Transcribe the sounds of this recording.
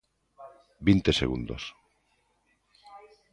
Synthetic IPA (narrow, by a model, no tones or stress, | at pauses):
bint̪esḛɣund̪o̰s